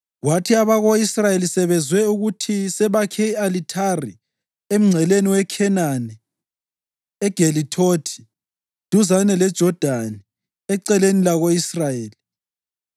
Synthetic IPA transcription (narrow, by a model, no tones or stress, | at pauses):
ɣwatʰiaβaɣoisrajelisɛβɛzwɛuɣutʰisɛβakʰɛalitʰarḭ | em̩ŋ͡ǀʱɛleniwɛkʰɛnanɛ | ɛɡ̥ʱelitʰotʰi̥ | d̥ʱuzanɛlɛd̥ʒ̥ʱɔd̥ʱanɛ | ɛǀɛlenilaɣoisrajeːli